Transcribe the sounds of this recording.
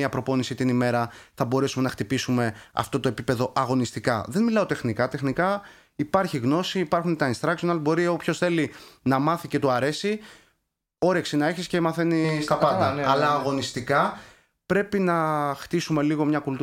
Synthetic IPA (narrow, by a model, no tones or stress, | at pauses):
iɐpɾo̞po̞nisit̪inime̞ɾɐθɐbo̞ɾe̞sume̞nɐxt̪ipisume̞ɐ̰ft̪o̞t̪o̞e̞pipe̞ðo̞ʔɐɣo̞nist̪ikɐðe̞nmilɐot̪e̞xnikɐt̪exnikɐ | ipɐɾçiɣno̞siːpɐɾxunt̪ɐinst̪ɾɐksonɐlbo̞ɾiopço̞sθe̞linɐmɐθice̞t̪oɐɾe̞si | o̞ɾe̞ksinɐeçisce̞mɐθe̞nist̪ɐpɐt̪ɐɐlɐːɣo̞nist̪ikɐ | pɾe̞pinɐxt̪isume̞liɣo̞mɲɐkult̪